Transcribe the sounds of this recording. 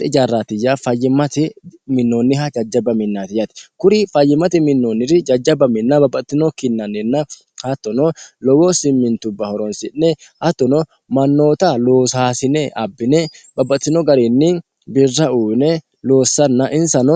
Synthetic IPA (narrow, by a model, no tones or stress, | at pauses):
ɪd͡ʒaːrːaːt̪ɪjaːfɐjːɪmɐt̪ɪmɪnːoːnːɪɦɐd͡ʒɐd͡ʒːɐbɐmɪnːaːt̪ɪjɐt̪ɪ̥kʊɾɪfɐjːɪmɐt̪ɪmɪnːoːnːɪrɪd͡ʒɐd͡ʒːɐbɐmɪnːabɐbːɐt̪ːɪnokɪnːɐnɪnːɐ | hɐt̪ːɔnɔlɔwoːsɪmːɪnt̪ʊbːɐhɔɾɔnsɪʔnɛhɐt̪ːɔnɔ | mɐnːo̞ːt̪aloːsaːsɪnɛʔɐbːɪnɛbɐbːɐt̪ːɪnoːɡɐɾeːnːiːn | bɪrːɐuːbnɛ | lo̞ːsːɐnːɐʔɪnsɐnɔ